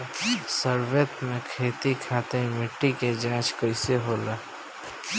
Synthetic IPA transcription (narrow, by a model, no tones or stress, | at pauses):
səɾbet̪mẽkʰeːt̪ikʰat̪ẽmɪʈːiked͡ʒãːt͡ʃkəɪseɦola